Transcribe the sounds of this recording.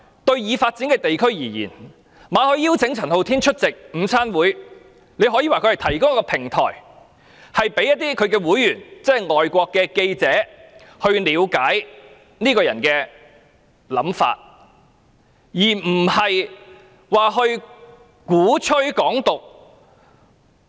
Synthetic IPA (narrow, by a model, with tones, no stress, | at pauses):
t̪ɵ˧ɥjiː˨˧faː˧t̚t͡si˨˥nkɛː˧t̪e˨jkʰɵ˥ɥjiː˨˩jḭː˨˩n | maː˨˧hɵ˧ɥjiː˥wt͡sʰɪ˨˥ŋt͡sʰɐ˨˩nho˨wt̪ʰiː˥nt͡ʃʰɵ˥t̚t͡sɪ˨k̚m̩˨˧˥sʰaː˥nwuː˨˥j | ne˨˧jɦɔː˨˥jiː˧waː˨kʰɵ˧ɥhɐ˨˩jt̪ʰɐ˨˩jkʊ˥ŋ˥kːɔː˧pʰɪ˨˩ŋt̪ʰɔ̰ː˨˩j | hɐ˨jpe˨˥jɐ˥t̚t̪iː˥kʰɵ˨˧ɥkɛː˧wuː˨˥jːyː˨˩nt͡sɛː˥ŋɔː˨jkʷɔː˧kːɛː˧ke˧jt͡sɛː˨˥ | hɵ˧ɥliː˨˧˥wkaː˨˥j | niː˥kɔː˧jɐ̰˨˩nkɛː˧ | lɐ˨˥mfa̰ː˧t̚ | jiː˨˩m̩˨˩hɐ˨j | waː˨˩ɦɵ˧ɥ | kuː˨˥t͡ʃʰɵ˥ɥkɔː˨˥ŋt̪ʊ˨k̚